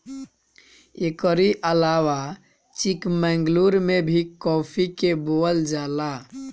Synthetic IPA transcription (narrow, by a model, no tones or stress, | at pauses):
ekəɾiʔəlawa | t͡ʃikmɛ̃ŋɡluɾmebʱikɔpʰikeboəld͡ʒala